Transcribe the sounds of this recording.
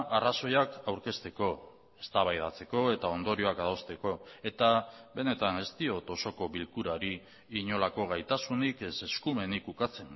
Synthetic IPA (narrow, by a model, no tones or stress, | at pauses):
ʔaraso̞jakawɾke̞st̪e̞ko̞ | e̞st̪aβ̞ajð̞at͡se̞ko̞e̞t̪ao̞nd̪o̞ɾio̞akaðo̞st̪e̞ko̞e̞t̪aβe̞ne̞t̪ane̞st̪io̞t̪o̞so̞ko̞βilkuɾaɾiː | ɲo̞lako̞ɣajt̪asunikese̞skume̞nikukat͡se̞n